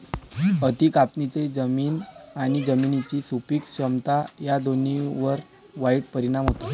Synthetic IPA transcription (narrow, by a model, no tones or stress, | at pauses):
ət̪ikapnit͡sed͡zəmiːnaɽ̃id͡zəminit͡ɕiːsupiːkɕəmt̪ajad̪oniʋəɾ | ʋaiʈ̚pəɾiɽ̃amɦot̪o